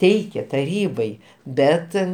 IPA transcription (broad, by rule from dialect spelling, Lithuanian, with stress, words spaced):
ˈtʲɛɪkʲeː tɐˈrʲiːbɐɪ ˈbʲɛt